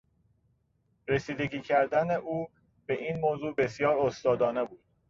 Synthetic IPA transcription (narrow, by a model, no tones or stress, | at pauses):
ɾesiːd̪e̞ɟiːcʰæɾd̪æne̞ʔuː | be̞ʔiːnmoːzuːbe̞sjɒːɾost̪ɒːd̪ɒːne̞buːd̪̥